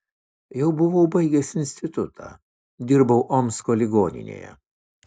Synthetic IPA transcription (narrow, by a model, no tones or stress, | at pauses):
jɛʊbʊʋoʊbɐɪɡʲɛsɪnʲsʲt̪ʲɪt̪ʊt̪ʰɑ̰ː | d̪ʲɪɾbɐʊʔomʲskoːlʲɪɡoːnʲɪ̰nʲḛːjɛ̰